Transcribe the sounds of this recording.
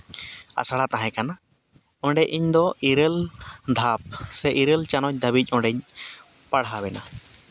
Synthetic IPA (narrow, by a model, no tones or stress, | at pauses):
a̰saɽat̪aɦɛ̃kana | ɔ̃ɳɖɛʔiɲd̪ɔiɾəld̪ʱap̚sɛʔiɾəlt͡ʃanɔɲc̚d̪abic̚ˀɔ̃ɖɛɲ | paɽɦabɛna